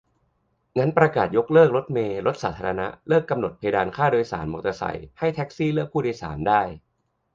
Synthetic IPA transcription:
ŋa˦˥npɾa˧kaː˨˩t̪̚jo˦˥k̚lɤː˥˩k̚ɾo˦˥t̪̚meː˧ɾo˦˥t̪̚saː˩˦t̪ʰaː˧ɾa˧na̰˦˥ʔlɤː˥˩kːa˧mno˨˩t̪̚pʰa˧daː˧nkʰaː˥˩doː˧jsa̰ː˩˦nmo˨˩kt̪a˧sa̰˨˩jha˥˩jt̪ʰɛ˦˥k̚siː˥˩lɯ˥˩ək̚pʰːuː˥˩diː˧jsa̰ː˩˦mdaː˥˩j

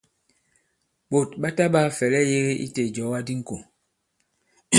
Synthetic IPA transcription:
ɓo˨tɓa˦ta˦ɓa˦fɛ˨lɛ˦je˦ɣe˦ʔḭ˦te˨d͡ʒɔ˨˦wa˦di˦ŋ̩˨ko˨

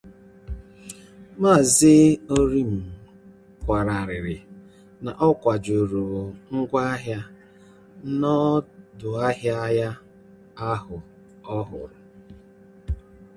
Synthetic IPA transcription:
ma˦˨zɪ˦o˦ɾi˦m̩˨ | kʷa˨ɾa˨ɾɪ˨ɾɪ˨ | na˨ʔɔ˦kʷa˨d͡ʒu˨ɾu˨ŋ̩˦ɡʷa˦ɦja˦ | nɔ˦dʊ˨a˦ɦja˦ja˦ | a˦ɦʊ˨ | ɔ˦ɦʊ̰˨ɾʊ˨

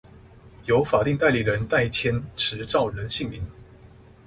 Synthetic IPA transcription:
jo˧˥ʊfa˨˩t̪i˥˧ŋt̪a˥˩ɪli˨˩ɻə˧˦nt̪a˥˩ɪt͡ɕʰjɛ˥nʈ͡ʂʰɻ̩˧˥˦ʈ͡ʂɑ˥˩ʊɻə˨˧˦nɕi˥˩ŋmi˨˦ŋ

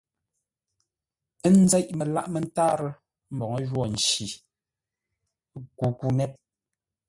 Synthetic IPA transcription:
n̩˦d͡zɛ˦ʔme˨la̰˦˨ʔme˨n˦taː˦ɾ | m̩˨bɔ˨ŋɔ˦ʒwɔ˦˨n̩˨t͡ʃi˨˦ | ku˨ku˦nɛ˦t̚

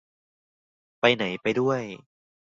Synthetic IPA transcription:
pa˧jna˩˦jpa˧jdu˥˩əj

